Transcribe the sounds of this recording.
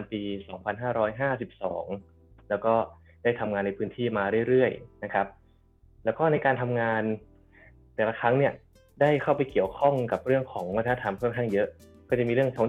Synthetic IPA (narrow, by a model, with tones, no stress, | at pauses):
a˧npiː˧sɔː˩˦ŋpʰa˧nɦaː˥˩ɾɔː˦˥jɦaː˥˩si˨˩p̚sɔ̰ː˩˦ŋ | lɛː˦˥wkɔː˥˩ | daː˥˩jt̪ʰa˧mŋaː˧nːa˧jpʰɯː˦˥nt̪ʰiː˥˩maː˧ɾɯ˥˩əjɾɯ˥˩əjna˦˥kʰa˦˥p̚ | lɛː˦˥wkɔː˥˩na˧jkaː˧nt̪ʰa˧mŋaː˧n | t̪ɛː˨˩la˦˧˩kʰɾa˦˥ŋni˥˩ɐ | daː˥˩jkʰa˥˩wpa˧jki˨˩əwkʰɔ˥˩ŋka˨˩p̚ɾɯ˥˩əŋkʰɔː˩˦ŋma˧˥t̪ʰa˧a˥˧t̪ʰa˧mkʰɔ˥˩nkʰa˥˩ŋjɤ˦˥ʔ | kɔː˥˩t͡ɕa˨˩miː˧ɾɯ˥˩əŋsɔː˩˦ŋ